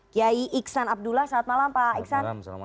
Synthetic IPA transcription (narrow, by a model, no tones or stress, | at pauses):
jaiʔiksanap̚dulahsaat̪̚malampaik̚san